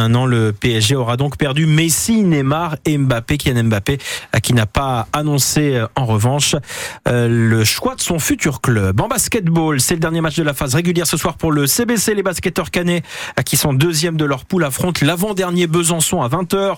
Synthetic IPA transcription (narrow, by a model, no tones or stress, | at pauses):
ɛ̃t̪nɑ̃ləpeɛʒeɔʁad̪ɔ̃kpɛʁd̪ymesinemaʁɛmbapek̬ʲiɛ̃nɛmbapekʲinapaːnɔ̃seɑ̃ʁəvɑ̃ʃ | ləʃwad̪əsɔ̃fyt̪yʁklœbɑ̃baskʲɛt̪bolsɛləd̪ɛʁnjematt͡ʃd̪əlafazʁeɡʲyljɛʁsəswaʁpuʁləsebeselebaskʲɛt̪œʁkanekʲisɔ̃d̪øzjɛmd̪əlœʁpulafχɔ̃t̪lavɑ̃d̪ɛʁnjebəzɑ̃sɔ̃avɛ̃t̪œːʁ